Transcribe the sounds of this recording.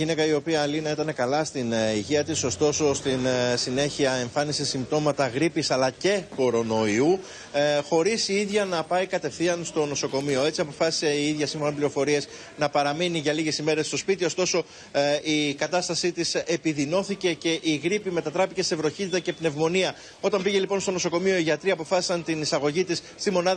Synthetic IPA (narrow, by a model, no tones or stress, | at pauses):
ʝinekɐio̞piɐːlinɐet̪ɐne̞kɐlɐst̪iniʝiɐt̪iso̞st̪o̞so̞st̪insine̞çiɐe̞ɱfɐnisisimb̚t̪o̞mɐt̪ɐɣɾipisɐlɐce̞ko̞ɾo̞no̞iu | xo̞ɾisiiðʝɐnɐpɐikɐt̪e̞fθiɐnst̪o̞no̞so̞ko̞mio̞e̞t͡siɐpo̞fɐsi̥seiiðʝɐsiɱfonopliɾo̞fo̞ɾie̞s | nɐpɐɾɐminiʝɐliʝe̞sime̞ɾe̞st̪o̞spit̪io̞st̪o̞so̞ | ikɐt̪ɐst̪ɐsit̪isepiðino̞θice̞ce̞ʔiɣɾipime̞t̪ɐt̪ɾɐpice̞se̞vɾo̞çit̪it̪ɐce̞pne̞vmo̞niɐ | o̞t̪ɐmbiʝe̞lipo̞nst̪o̞no̞so̞ko̞mio̞iʝɐt̪ɾiɐːpo̞fɐsi̥sɐnt̪inisɐɣo̞ʝit̪isst̪imo̞nɐð